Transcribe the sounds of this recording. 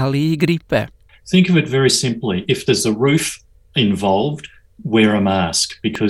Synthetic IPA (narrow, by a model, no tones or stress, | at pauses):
alˠiɡɾipʰɛ̰ | θɪ̃ŋkʌvɨtvɛɹisɪ̃mpliʔɨfðə˞zəɹʉf | ɪ̃ɱvɑlˠvd | wɛɹãmaskb̥ɨkʰʌ